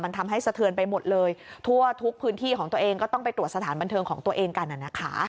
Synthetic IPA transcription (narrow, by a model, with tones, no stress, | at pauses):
ma˧nt̪ʰa˧mɦa˥˩jsa˧t̪ʰɯ˧ənpa˧jmo˨˩t̪̚lɤː˧jt̪ʰu˥˩ɐt̪ʰu˦˥k̚pʰɯː˦˥nt̪ʰiː˥˩kʰɔː˩˦ŋt̪u˧əʔeː˧ŋkɔː˥˩t̪ɔ˥˩ŋpa˧jt̪ɾu˨˩ət̪̚sa˧t̪ʰaː˩˦nba˧nt̪ʰɤː˧ŋkʰɔː˩˦ŋt̪u˧əʔeː˧ŋka˧nʔa˨˩na˦˥kʰa̰˦˥